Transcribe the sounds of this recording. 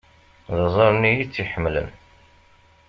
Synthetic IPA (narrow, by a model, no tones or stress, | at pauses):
ðəzˤɑɾˤnijit͡sːiħəmːlə̰n